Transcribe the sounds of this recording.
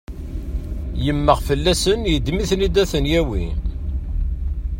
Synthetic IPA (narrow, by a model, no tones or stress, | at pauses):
jəmːəʁfəlːæsənjəd̪miθnid̪æθənjæwḭ